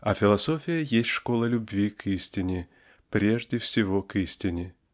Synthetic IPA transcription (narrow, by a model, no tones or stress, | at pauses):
ɐfʲɪlˠɐsofʲɪjəjesʲtʲʂkolˠəlʲʊbʲvʲikʰisʲtʲɪnʲɪ | pɾʲeʐdʲɪfsʲɪvokisʲtʲɪnʲɪ